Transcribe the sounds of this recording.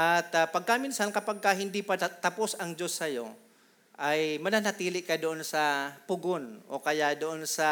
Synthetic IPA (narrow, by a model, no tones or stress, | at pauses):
ʔat̪apɐɡ̚kaʔmɪnsankɐpaɡ̚kaɦɪnd̪ipat̪ɐposɐŋd͡ʒo̞sːɐjo̞ | ʔajmɐnanɐt̪iːlɪʔkad̪oʔonsɐpʊɡonʔo̰kɐjaʔd̪oʔonsɐ